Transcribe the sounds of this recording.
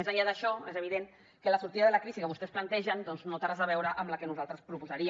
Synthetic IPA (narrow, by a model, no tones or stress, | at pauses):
ezaʎaðəʃɔezəβiðen | kələsuɾt̪iðəðələkɾizikəβust̪ɛsplant̪ɛʒənd̪ɔnznot̪aɾazəβ̞ɛwɾəʔəmləkənuzalˠt̪ɾəspɾupuzəɾi